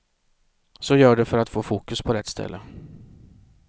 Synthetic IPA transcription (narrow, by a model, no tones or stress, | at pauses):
sɔjœːɖɛfœɾat̪foːfuːkɵspʰɔɾɛt̪ːst̪ʰɛ̰lːʔə